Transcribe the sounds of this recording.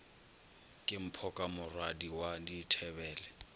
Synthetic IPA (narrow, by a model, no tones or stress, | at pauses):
kʼɪm̩pʰɔkʼamʊrwadiwaditʰɛbɛːlɛ